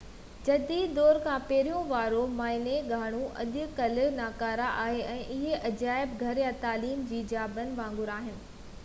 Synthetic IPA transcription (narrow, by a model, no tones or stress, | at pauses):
d͡ʑɐd̪iːd̪ɔːɾkʰãpɛɦɪɾijõʋaːɾomaːɪneɡʱaːɽ̃ũʔɐ̰ɗ̪ʊkɐlnaːkaːɾaʔaːɦeʔɛ̃ːʔɪɦeʔɐd͡ʑaːɪbɡʱɐɾjãt̪aːliːmd͡ʑiːd͡ʑaːbənɪ̆ʋãːŋɡʊɾaːɦɪnɪ̆